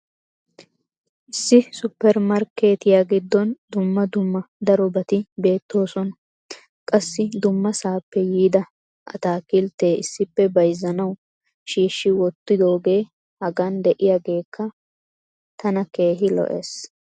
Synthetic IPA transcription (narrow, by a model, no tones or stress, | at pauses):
ʔɪsːɪsʊpːɛɾmɐɾke̞ːt̪ɪjaːɡɪd̪ːɔnd̪ʊmːɐd̪ʊmːɐd̪ɐɾɔbɐt̪ɪbe̞ːt̪ːo̞ːsɔnɐ | kʼɐsːɪd̪ʊmːɐsaːpːɛjiːd̪ɐ | ʔɐ̰t̪aːkɪlt̪e̞ːɪsːɪpːɛbɐjzːɐnɐw | ʃiːʃːɪwɔt̪ːɪd̪o̞ːɡe̞ː | hɐɡand̪ɛʔɪjaɡe̞ːkːɐ | t̪ɐnɐke̞ːɦɪlɔ̰ʔḛːs